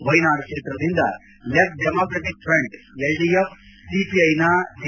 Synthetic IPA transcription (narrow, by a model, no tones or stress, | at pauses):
ʋɐjnaːɾɐkʂeːt̪ɾɐd̪ind̪ɐ̰ | lep̚ɖemokɾɐʈik̚fʰɾeɳɖeɭɖijef | sipiɐjnan